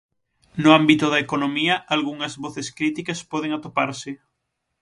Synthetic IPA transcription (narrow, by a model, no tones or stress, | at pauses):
nʊambit̪ʊðaekonomiɐʔalɣuŋɐzβoθeskɾit̪ikaspɔð̞eŋat̪opaɾsɪ